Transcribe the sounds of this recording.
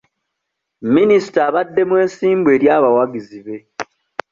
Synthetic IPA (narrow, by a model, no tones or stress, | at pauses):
minisi̥taːβadːe̞mwe̞ːnsiːmbwe̞ːɾjaːβawaɡiziβe̞